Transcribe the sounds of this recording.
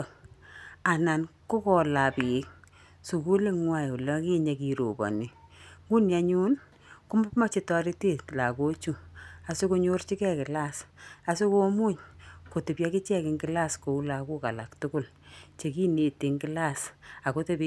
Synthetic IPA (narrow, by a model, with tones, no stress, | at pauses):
a˨na˨nko˦kɔ˨la˨pi˨˦k̚ | su˨ku˦le˦ŋwa˦˨ju˨lɔ˦ki˦ɲe˨ki˨ɾo̰˨bɔ̰˨nɪ˨ŋu˦nja˨˦ɲu˦n | kʊ˦ma˦pma˦t͡ʃi˦tɔ˦ɾi˦te˦tla˨ko˦t͡ʃu˦a˨sɪ˦ku˦ɲo˦rt͡ʃi˦kɛ˦kɪ˨la˦sa˨sɪ˦ko˦mu˦ɲko˨tɪ˨pja˦kɪ˦t͡ʃɛ˦kɪ˨ŋɡɪ˦la˦sko˨u˦la˨ku˦ka˨la˨ktʊ˦kʊ˦l | t͡ʃe˨ki˦ne˨te˨ŋɡɪ˦la˦˨sa˨ko˦te˦pi